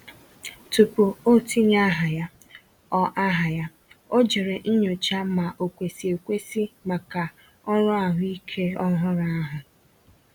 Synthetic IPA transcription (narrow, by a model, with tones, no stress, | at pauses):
tu˨pu˨o˦˨ti˦ɲa˦ɦa˨ja˦ | ɔ˦ʔa˦ɦa˨ja˦ | o˦d͡ʒe˨ɾe˨ʔ̩˦ɲo˨t͡ʃa˦ma˨ʔo˨kʷe˨si˨e˨kʷe˦si˦ma˨ka˨ | ɔ˦ɾʊ˦a˨ɦʊ˦i˦kʰe˦ɔ˦ɦʊ˦ɾa˦a˦ɦʊ˨